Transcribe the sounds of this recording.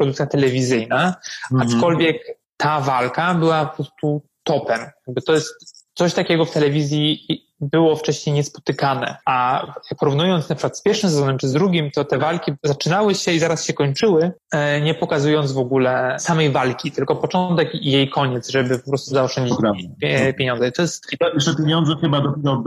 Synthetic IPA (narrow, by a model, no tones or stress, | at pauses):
pɾɔd̪ukt̪sʲjat̪ɛlɛvʲizɘjnaat͡ʂkɔlvʲjɛk | t̪avalkabɘwapɔpɾɔst̪ut̪ɔpɛmjaɡ̚bɘt̪ɔjɛst̪sɔɕt̪akʲɛɡɔft̪ɛlɛvʲizʲji | bɘwɔft͡ʂɛɕɲejɲɛspɔ̥t̪ɘkanɛ̰apɔɾuvnujɔnt̪snapʂkwat̪spʲjɛɾʂɘmsɛzɔnɛmt͡ʂɘzd̪ɾuɡʲimt̪ɔt̪ɛvalkʲizat͡ʂɘnawɘɕɛizaɾasɕɛkɔɲt͡ʂɘwɘ | ɲɛpɔkazujɔnd̪zvɔɡulɛsamɛjvalkʲit̪ɘlkɔpɔt͡ʂɔnt̪ɛkjejkʰɔɲɛt̪zʐɛbɘpɔpɾɔst̪uzaɔfʂt͡ʂɛɲd͡ʑi | pʲjeɲɔ̃nzɛit̪ɔjɛst̪it̪ɔjɛt͡ʂɛpʲjeɲɔnd̪zɛxɘbad̪ɔpʲjɛɾɔ